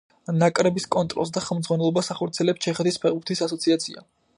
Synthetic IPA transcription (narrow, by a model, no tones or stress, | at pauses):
nakʼɾɛbiskʼɔnt̪ʼɾɔ̰lˠs̬d̪aχɛlˠmd̪zʁwanɛlˠɔbasaχɔɾt̪sʰiɛlɛpst͡ʃʰɛχɛt̪ispʰɛʁbuɾt̪ʰisasɔt̪sʰiat̪sʰia̰